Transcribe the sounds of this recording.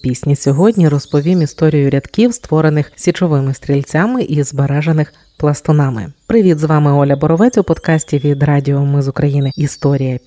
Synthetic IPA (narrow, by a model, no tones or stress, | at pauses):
pʲisʲnʲisʲɔɦɔdʲnʲiɾɔspɔʋʲimist̪ɔɾʲijʊɾʲɐd̪kʲiwst̪ʋɔɾenɪxsʲit͡ʃɔʋɪmɪst̪ʲɾʲilʲt͡sʲamɪʔizbeɾɛʒenɪx | plˠɐst̪ɔnɑmɪ̰pɾɪʋʲid̪zʋɑmɪɔlʲɐbɔɾɔʋɛt͡sʲʊpɔd̪kɑsʲtʲiʋʲid̪ɾɑdʲiɔmɪzʊkɾɐjinɪist̪ɔɾʲijɐ